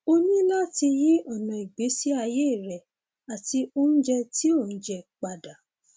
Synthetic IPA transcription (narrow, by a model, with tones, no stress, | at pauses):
o˧nĩ˦la˦˨ti˧ji˦ɔ˦˨nã˨i˨ɡ͡be˨˦si˦a˧je˦i˦˨ɾɛ˨ | a˨ti˧o˦n̩˦d͡ʒɛ˧ti˦o˦˨n̩˦d͡ʒɛ˧k͡pa˨da˨